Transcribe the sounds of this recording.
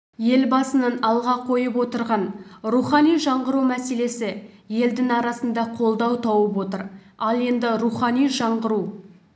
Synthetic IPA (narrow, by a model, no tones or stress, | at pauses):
je̞lbɑsənənɑlˠʁɑqʰo̞jəpwo̞t̪əɾʁɑnruχɑnijʒɑɴʁəɾumæse̞le̞sɪ | je̞ld̪ɪŋɑɾɑsənd̪ɑqʰo̞lˠd̪ɑwt̪ʰɑwəpwo̞t̪əɾ | ɑlˠe̞nd̪ɪɾuχɑnijʒɑɴʁəɾu